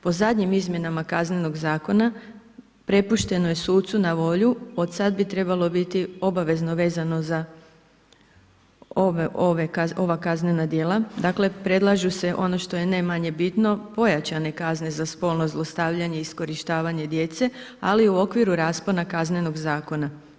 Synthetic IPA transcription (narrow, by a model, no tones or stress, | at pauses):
po̞zad̪ɲimizmʲje̞namakazne̞no̞ɡzaːko̞na | pɾe̞puʃt̪e̞nojesuːt̪sunaʋo̞ʎuo̞d̪sad̪bit̪ɾe̞balˠo̞bit̪io̞baʋe̞zno̞ʋe̞ːzano̞za | ooʋekao̞ʋakazne̞nad̪je̞ːlˠad̪akle̞pɾe̞d̪lˠaʒuse̞ʔo̞no̞ʃt̪o̞jenajmaɲe̞bit̪no̞po̞jat͡ɕane̞kaznezaspo̞ːlˠno̞zlˠo̞st̪aːʋʎaɲe̞isko̞ɾiʃt̪aːʋaɲe̞d̪je̞t̪se̞ | aliuo̞kʋiɾuɾaːsponakazne̞no̞ɡzaːko̞na